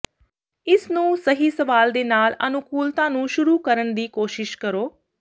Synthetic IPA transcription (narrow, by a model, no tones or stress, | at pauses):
ɪsnũːsəɦiːsəʋaːld̪eːnaːlə̰nʊkuːlt̪ãːnũːʃʊɾuːkəɾənd̪iːkoːʃɪʃkəɾoː